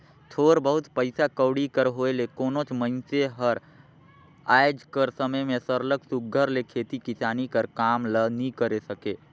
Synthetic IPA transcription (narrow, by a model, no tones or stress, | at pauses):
t̪ʰoːɾbəɦʊt̪pəɪsakəwɽikəɾɦoːelekoːnõt͡ʃmə̃nseɦəɾ | aːjd͡ʒkəɾsəməjmẽsəɾləksʊk̚ɡʱəɾlekʰeːt̪ikɪsaːnikəɾkaːmlənĩkəɾesəkeː